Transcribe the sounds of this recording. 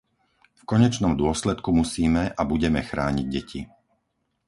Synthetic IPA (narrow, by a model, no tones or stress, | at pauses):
fkɔɲɛt͡ʃnɔmd̪ʊɔslɛt̪kumusiːmɛʔabuɟɛmɛxɾaːɲiɟɟɛcʰḭ